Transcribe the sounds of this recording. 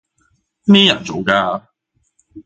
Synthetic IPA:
mɛː˥jɐ˨˩nt͡so˨˧wkaː˧

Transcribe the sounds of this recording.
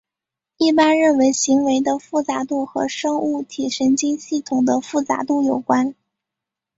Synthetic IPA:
i˥˩pa˥nɻə˥˩nwe˧˥ɪɕi˧˥ŋwe˧˥ɪd̪ə˧fu˥˩t͡sa˧˥t̪u˥˩xɤ˧˥ʂɤ˥ŋu˥˩t̪ʰi˨˩ʂə˧˥nt͡ɕi˥ŋɕi˥˩t̪ʰʊ˨˩ŋd̪ə˦fu˥˩t͡sa̰˧˥t̪u˥˩jo˨˩ʊkwa˥n

